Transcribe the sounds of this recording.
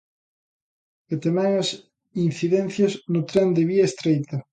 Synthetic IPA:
et̪emɛŋɐs | in̟θiðɛn̟θjɐznʊt̪ɾɛnd̪ɪβiɐest̪ɾejt̪ɐ

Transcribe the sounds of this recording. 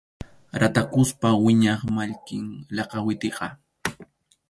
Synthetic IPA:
ɾat̪akʊspawɪɲɑχmaʎkɪŋlɑqɑwɪt̪ɪqɑ

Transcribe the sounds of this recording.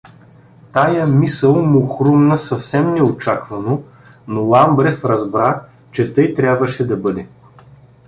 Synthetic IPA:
t̪ajəmisəlˠmʊxɾumnɐsɐfsɛmnɛot͡ʃakvɐno | nolˠambɾɛfɾɐzbɾa | t͡ʃɛt̪ɤjt̪ɾʲabvəʃɛd̪ɐbɤd̪ɛ

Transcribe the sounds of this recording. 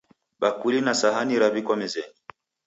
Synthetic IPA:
ɓakulinasaɦaniɾaβikwɔmɛzɛni

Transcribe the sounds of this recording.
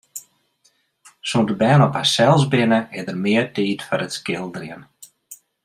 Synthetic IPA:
sundəbɛːnɔpasɛlˠzbɪnəɪdərmɪətiːtfɔɾətskɪlˠdrɪən

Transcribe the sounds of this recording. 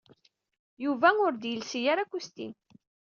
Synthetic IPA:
juvæʊɾd̪jəlsijaɾækːust̪ḭn

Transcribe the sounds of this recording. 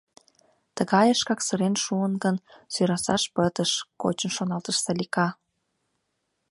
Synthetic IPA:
t̪əɣɑjəʃkɑksə̆ɾenʃuənɡənsyɾɑsɑʃpət̪əʃko̰t͡ɕə̆nʃonɑlt̪əʃsɑlikɑ

